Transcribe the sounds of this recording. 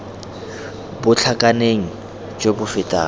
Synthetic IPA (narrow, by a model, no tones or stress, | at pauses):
bʊt͡ɬʰakʼaneŋ̩ | t͡ʃʼobʊfɪtʼa̰ː